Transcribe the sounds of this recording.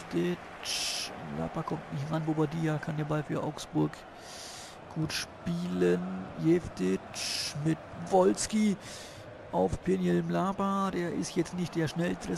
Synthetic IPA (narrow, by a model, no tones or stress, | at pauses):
tɪ | t͡ʃla̰ːbɐkʰɔmtnɪçtʁanbobaɐdiːakʰandeːɐbalfyːɐʔa̰ʊksb̥ʊɐk | ɡ̥uːtʃpiːlənjɛftɪt͡ʃmɪtvɔlski | ʔaʊfpʰenjɛlmlaːpɐdeːɐʔɪ̰stjɛt͡stnɪçt̚d̥eːɐʃnɛlstʁə